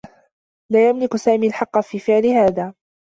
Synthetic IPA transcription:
laːjamlɪkʊsaːmiːalħɑqːɑfiːfɪʕlɪhaːðaː

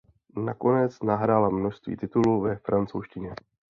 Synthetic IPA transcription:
nako̞nɛt͡snaɦɾaːlamno̞ʃst̪vḭːt̪ɪt̪uluːvɛfɾant͡sowʃcɪɲɛ

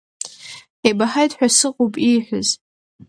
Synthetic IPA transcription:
ħebaħajtʰʼħʷᶣasɨqʼopʼiħʷᶣʊz

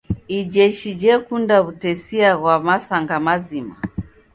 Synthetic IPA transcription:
id͡ʒɛʃid͡ʒɛkundaβutɛsiaɣwamasaŋɡamazima̰

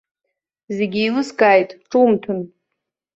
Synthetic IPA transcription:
zeɡʲiilɨskʼaːjtʼʈ͡ʂʼumtʰɨn

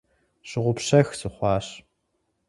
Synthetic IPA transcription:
ɕɪʁʷʊpɕɐxsɨχʷɑːɕ

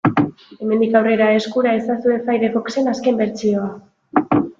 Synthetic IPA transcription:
e̞me̞nd̪ikawre̞ɾae̞skuɾae̞sasue̞fajɾe̞βo̞kse̞naske̞mbe̞ɾt͡sio̞a

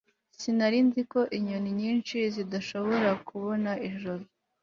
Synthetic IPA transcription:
sinaɾinziko̞ʔiɲoniɲiːnt͡ʃizidaʃo̞βo̞ɾakuβo̞naʔiʒoɾo

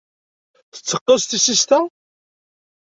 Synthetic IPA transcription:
θə̥t͡sːəqːəst̪isist̪æ

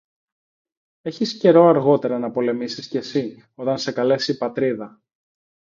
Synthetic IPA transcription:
e̞çisce̞ɾo̞ɐɾɣo̞t̪e̞ɾɐnɐpo̞le̞misisce̞si | o̞t̪ɐnse̞kɐle̞sipɐt̪ɾiðɐ

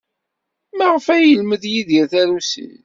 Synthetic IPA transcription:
maʁəfæjəlməðjiðjæθæɾusḭn

